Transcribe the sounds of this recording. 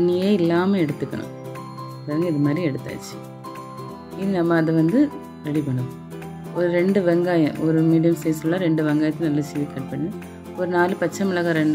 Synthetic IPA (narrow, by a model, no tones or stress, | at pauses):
nːijeːɪlːaːmeɛɽɯt̪ːɯkːɐɳʊ̰̃ | ɐðaːɾŋɡɐɪðɯmaːd̪ɾiɛɽɯt̪ːa̰ːt͡ʃːi̥ | iðnɐmːɐːðɯʋɐnd̪ɯ | kɐɽipɐɳːɯ | ɔɾɯɾɛɳɖɯʋɛŋɡaːjɐ̰̃ʔɔɾɯmiːɽɪjɐmseːsɯllːãːɾɛɳɖɯʋɛŋɡaːjɐt̪ːlnɐlːɐseːðikɐʈ̚pɐɳːɯ | ɔɾɯnaːlipɐt͡ʃːɐmɪlɐɣaɾɛɳɖ